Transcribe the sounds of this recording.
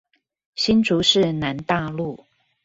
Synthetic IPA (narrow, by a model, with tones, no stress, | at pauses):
ɕi˥nʈ͡ʂu˨˦ʂɻ̩˥˩na˨˦nt̪a˥˧lu˥˨